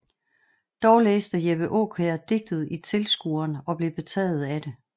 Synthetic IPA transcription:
d̥ɒʊleːsd̥æjeb̥əʔo̝̰ːkʰeɐd̥e̝ɡ̥̚d̥əð̞̩ˠit͡sʰe̝lsɡ̥ṵɐnɒ̽b̥le̝b̥e̝t͡sʰɛ̰ːð̞̩ˠæd̥e̝

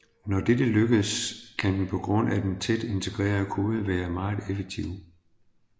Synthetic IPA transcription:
nɒd̥ed̥əløɡ̥əð̩ˠskʰænd̥n̩pʰɒ̽ɡ̥ʁɔ̽n̰æd̥ent͡sʰed̥e̝nt͡sʰe̝ɡ̥ʁɛ̰ːɐðəkʰo̝ːð̞̩ˠʋæːɐmɑ̈ɪð̩ˠefeɡ̥̚t͡sʰiʊ̰

